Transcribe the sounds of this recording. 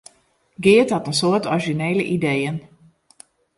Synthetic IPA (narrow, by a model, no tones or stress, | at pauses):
ɡɪəthɔtənsoətɔɹʒineːləʔidejən